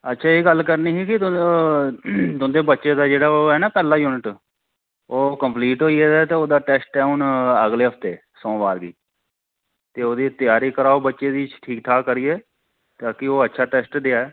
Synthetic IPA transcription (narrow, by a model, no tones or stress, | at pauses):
ətːʃʰaːeːɡəlkəɾniːɦiːkɪ | d̪ʊnd̪eːbətːʃeːd̪aːd͡ʒeːɽaːoːɦɛːnaːpɛːlaːjuːnɪʈ | oːkəmpliːʈɦoːiːɛːd̪aːt̪eːoːd̪aːʈɛːsʈɛːʊnəɡleːɦəpʰt̪eː | sɔ̃ːbaːɾɡḭː | t̪eːoːd̪iːt̪ɪjaːɾiːkəɾaːobətːʃeːd̪iːʈʰiːk̚t̪ʰaːkəɾiːɛː | t̪aːkɪoːətːʃʰaːʈɛːsʈd̪eaːɛː